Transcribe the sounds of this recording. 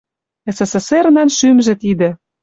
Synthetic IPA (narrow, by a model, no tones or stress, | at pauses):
esesesernɑnʃymʒĕt̪id̪ĕ